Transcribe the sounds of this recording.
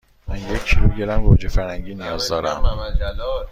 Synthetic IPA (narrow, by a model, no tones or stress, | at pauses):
mænjecʲcʰiluːɟeɾæmɡod͡ʒefæɾhæŋɟiːnijɒːzd̪ɒːɾæm